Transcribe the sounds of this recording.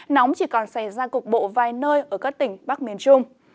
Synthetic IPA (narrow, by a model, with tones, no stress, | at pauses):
nɔ˨˦wŋ͡mt͡ɕi˧˩kɔ˨˩nsa˧˩jzaː˧kʊ˨˩k̚ɓo̰˧˨vaː˨˩jnəː˧jʔəː˧˩kaː˦˥k̚t̪ï˧˩ŋ̟ɓaː˦˥k̚mi˨˩ənt͡ɕʊ˧ŋ͡m